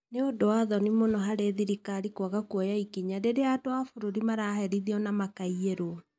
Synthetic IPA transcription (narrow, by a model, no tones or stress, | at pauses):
neodoaðɔnimonɔɦaɾeðiɾikaɾikwaɣakwɔjaikiɲadeɾeadoafoɾoɾimaɾahɛɾiðiɔnamakaieɾo